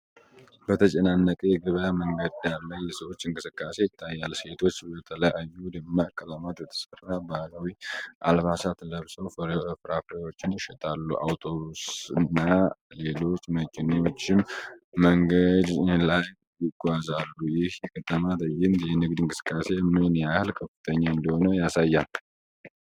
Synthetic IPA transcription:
bət̪ʰət͡ʃʼɛnanːəkʼejɛɡɨβəjaməŋɡəd̪jalːəjɛsəwo̞t͡ʃːɨŋkʼɨsɨkʼːase̞jɪt̪ʰːajːalse̞t̪ʰo̞t͡ʃːbət̪ʰələjajːud̪ɨmːakʼːələmat̪bɛt̪ʰə̥sərːabalawiʔa̰lbasat̪ləβsəwfəɾɨfɾafɾewo̞t͡ʃːɪnjɪʃɛt̪ʼalːṵʔa̰wt̪ʰo̞βusɨnːale̞lo̞t͡ʃːməkʼɪno̞t͡ʃːɪmːəŋɡəd̪lajːɪɡʷazalːujɪhjkət̪ʼəmat̪əjːɪnd̪jɛnɨɡd̪ɨŋkʼɨ̥sɨ̥kʼːase̞mɨnjahɨlkʼʰəfɨt̪ʼʰəɲːaɨnd̪əho̞nəjasajːal

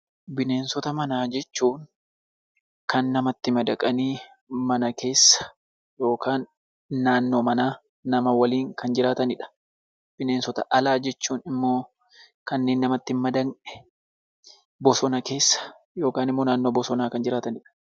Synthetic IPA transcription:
bɪne̞ːnsɔt̪ɐmɐnaːd͡ʒɛt͡ʃːuːn | kɐnːɐmɐt̪ːɪmɐd̪ɐkʼɐniː | mɐnɐke̞ːsːɐ̥ | jo̞ːkaːnː | aːnːoːmɐnaː | nɐmɐwɐliːŋkɐnd͡ʒɪɾaːt̪ɐnɪᶑɐ̥ | b̥ɪne̞ːnsɔt̪ɐ̰ʔɐlaːd͡ʒɛt͡ʃːuːnɪmːo̞ː | kɐnːeːnːɐmɐt̪ːɪmmɐd̪ɐnᶑɛ̥ | bɔsɔnɐke̞ːsːɐ̥ | jo̞ːkaːnɪmːoːnaːnːo̞ːbɔsɔnaːkɐnd͡ʒɪɾaːt̪ɐnɪᶑɐ̥

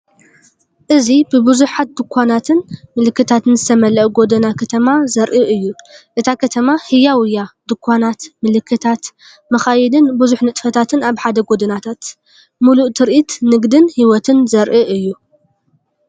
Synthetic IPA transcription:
ʔɨzibɨbɨzuħat̪̚d̪ɨkʷʰːanat̪ʰɨnmɨlɨkːɨt̪ʰat̪ɨnzɨt̪ʰɐmɐlɐʔɡo̞d̪ɐnakʰɐt̪ʰɐmazɐɾʔɨʔɨjːuʔɨt̪ʰakʰɐt̪ʰɐmahɨjawʊjad̪̥ɨkʷʰːanat̪mɨlɨkʰːɨt̪ʰat̪ | mɐxajɛd̪ɨnbɨzuħnɨt̪ʼfɐt̪ʰat̪ʰɨnaβħad̪ɐɡo̞d̪ɐnat̪ʰat̪ | muluʔt̪ʰɨɾʔit̪nɨɡd̪ɨnhiwɔt̪ʰɨnzɐɾʔɨʔɨjːu

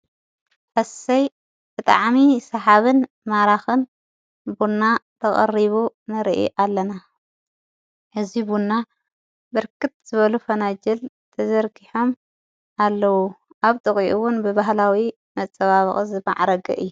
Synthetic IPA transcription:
ʔɐsɐj | b̥ɨt̪ʼa̰ʕmisɐħaβɨn | maɾaxɨn | bunːat̪ʰɐχʼɐriβunɨɾɨ̰ʔḭʔalːɐna | ʔɨzibunːa | bɨɾkʰɨt̪̚z̥ɨβɐlufɐnad͡ʒɛl | t̪ʰɐzɐɾɡiħo̞m | alːɐwu | ʔaβt̪ʼɨχʼiʔuwʊnbɨβaɦlawi | mɐt͡sʼːɐβaβɨχʼzɨma̰ʕɾɐɡɐ̰ʔɨjːu

